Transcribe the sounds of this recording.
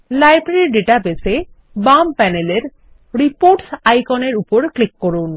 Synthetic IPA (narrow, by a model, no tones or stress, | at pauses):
lajbɾiɖeʈapese | bampɛneleɾ | ɾipoɾʈsajkɔneɾupoɾklikːoɾun